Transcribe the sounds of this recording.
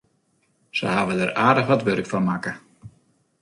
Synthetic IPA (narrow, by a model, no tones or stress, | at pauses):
sə̰haːvədəraːdəχʋɑtʋørkfɔnmakə